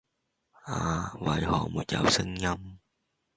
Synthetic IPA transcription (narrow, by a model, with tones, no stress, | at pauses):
aː˨wɐ˨˧˥jhɔː˨˩muː˨˩t̪̚jɐ̰˨wsɪ˥ŋjɐ˥m